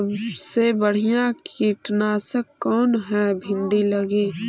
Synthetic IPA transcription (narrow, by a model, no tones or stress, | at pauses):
sebəɽ̤ijãkiʈnaːsəkːɔːnɦɛ̃bʱɪ̃nd̪iləɡeː